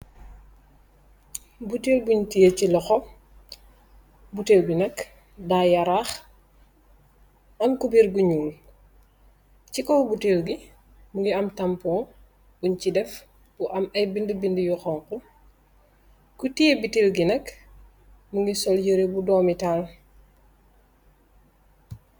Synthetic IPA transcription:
butelbuɲtijecilɔxɔ | buteːwbinɐk | daːjɐɾaːx | ɐmkubiɾbuɲuːl | cikɔwbutelɡi | muŋɡiɐmtɐmpɔː | buɲcidɛf | b̥uʔɐmɐjbindəbindujɔxɔŋkɔ | kutijebitewɡinɐk | muŋɡisɔljəɾebudɔːmitaːl

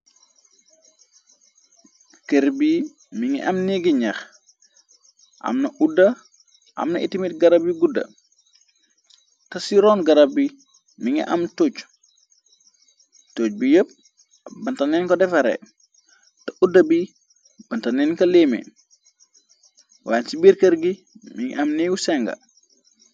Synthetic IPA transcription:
keɾbi | miŋḭʔɐmniɡiɲax | ʔɐ̰mnɐʔudɐ | ʔɐ̰mnɐʔitimit̚ɡɐɾabiɡudɐ̰ | tɐsiɾɔːnɡɐɾɐb̚bi | miŋḭʔɐmtoːt͡ʃ | toːc̚bijəp̚ | bɐntɐnɛːnkɔdɛfɐɾɛ̰ | tɐudːɐbi | b̥ɐntɐnɛnkɐleːmḛ | waːnsibiɾkɐɾɡi | miŋḭʔɐmniɡusɛŋɡɐ̰

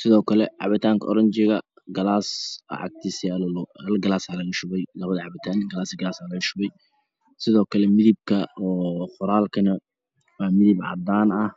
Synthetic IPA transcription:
sɪðɔːkʰɐlɛʕɑ̰βɪt̪ʰaːŋkʰɐʔɔɾɐɲt͡ʃɪɣɐ | ɡɐlaːsɐ̰ʕɑ̰ɡ̚t̪ʰisɛlllɡɐlaːsaːlɐɪʃʊβɛjlɐβɐðɐʕɑβɪt̪ʰaːnɡɐlaːsɪɡɐlaːsaːlɐɪʃʊβɛj | sɪðɔːkʰɐlɛmɪðɪb̚kʰɐɔːχʊɾaːlkʰɐnɐ | wɑːmɪðɪbʕɑ̰d̪aːnɐh

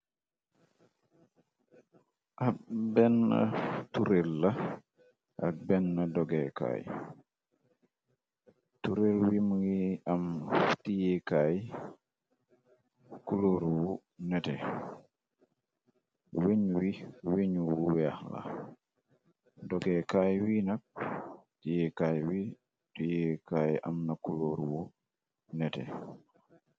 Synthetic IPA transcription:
ʔabɛnːɐ̰tuɾelːɐ | ʔa̰k̚bɛnːɐdɔɡɛka̰ːj | tuɾelwimuŋiamtijɛkaj | kuloːɾwu | nɛte | weɲwiweɲwuwɛahla̰ | dɔɡɛkaːjwinɐk̚tijɛkaːjwi | tujekaːjʔa̰mnakuloɾwu | nɛtɛ̰

